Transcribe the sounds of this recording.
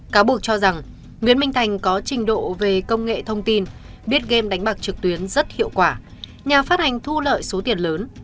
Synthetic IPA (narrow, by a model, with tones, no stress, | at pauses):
kaː˨˦ɓu˨˩ək̚t͡ɕɔ˧za˨˩ŋ | ŋwḭ˧˨ənmï˧ŋ̟t̪ʰa˨˩jŋ̟kɔ˨˦t͡ɕï˨˩ŋ̟ɗo̰˧˨ve˨˩kə˧wŋ͡mŋḛ˧˨t̪ʰə˧wŋ͡mt̪i˧nɓi˦˥ət̚ɣe˧mɗa˨˦jŋ̟ɓaː˨˩k̚t͡ɕɨ˨˩k̚t̪wi˨˦ənzə˦˥t̚hḭ˧˨əwkwaː˧˩ | ɲaː˨˩faː˦˥t̚ha˨˩jŋ̟t̪ʰu˧lə̰ː˧˨jso˨˦t̪i˨˩ənləː˨˦n